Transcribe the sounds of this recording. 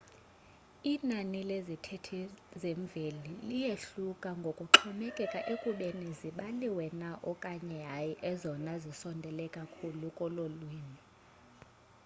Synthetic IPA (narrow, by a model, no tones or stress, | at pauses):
inanilezitʰɛtʰizeɱb̪vʱelilijeɬukʼaŋɡʱokʼuǁʰɔmɛkʼɛkʼaʔekʼuɓeniziɓaliwɛnaʔɔkʼaɲɛajiʔɛzɔnazisɔndʱɛlɛkʼakʰulukʼɔlolwiːni